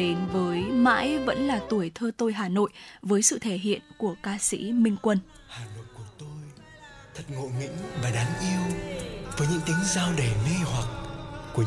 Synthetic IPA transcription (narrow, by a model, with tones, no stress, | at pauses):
e˨˦nvəː˨˦jma̰ː˧˥jvə̰˧˥nlaː˨˩t̪u˧˩əjt̪ʰəː˧t̪o˧jɦaː˨˩no̰˧˨jvəː˨˦jsɨ̰˧˨t̪ʰe˧˩ɦḭ˧˨ənku˧˩əkaː˧sḭ˧˥mï˧ŋ̟kwə˧n | haː˨˩no̰˧˨jku˧˩ət̪o˧j | t̪ʰə˨˩t̚ŋo̰˧˨jŋḭ̈˧˥ŋ̟vaː˨˩ɗaː˨˦nʔi˧əwvəː˨˦jɲɨ̰˧˥ŋt̪i˨˦əŋzaː˧wɗe˨˩mi˧hwa˨˩t̚ku˧˩ə